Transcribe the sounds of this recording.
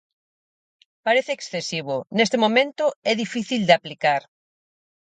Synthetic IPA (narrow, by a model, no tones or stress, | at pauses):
paɾeθeːksθesiβ̞onest̪emõmẽnt̪oɛðifiθild̪eaplikaɾ